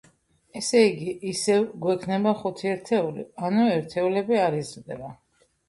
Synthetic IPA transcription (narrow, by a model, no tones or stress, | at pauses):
ɛsɛiɡiʔːsɛvɡwɛkʰnɛbaχut̪ʰiɛɾt̪ʰɛulḭanuɛɾt̪ʰɛulɛbiaɾizɾd̪ɛba